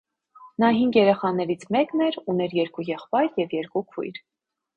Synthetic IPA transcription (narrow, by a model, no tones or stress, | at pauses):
nɑɦiŋɡjɛɾɛχɑnɛɾit͡sʰmɛknɛɾunɛɾjɛɾkujɛχpɑjɾjɛvjɛɾkukʰṵjɾ